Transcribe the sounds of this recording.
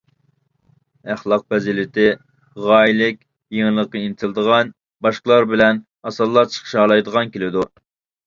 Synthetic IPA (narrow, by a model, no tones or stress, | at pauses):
æχlˠɑq̚bɛzilɪt̪ʰɪ | ʁɑːilɪkʲ | jeŋlˠəqːɑinɪt̪ʰɪlˠɨd̪əʁɑn | bɑʃqəlˠɑɾbɪlɛn | ɑsɑlˠːɑɾt͡ʃʰə̥χʰə̥ʃɑːlˠɑjd̪əʁɑnkʲelɪd̪u